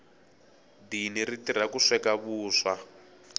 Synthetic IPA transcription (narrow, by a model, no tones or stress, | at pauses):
diniritir̤akuʂɛkaβuːʂa